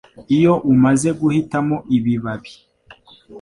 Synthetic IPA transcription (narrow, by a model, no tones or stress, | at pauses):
ijo̞ʔumaze̞ɡuhitamoʔiβiβaβi̥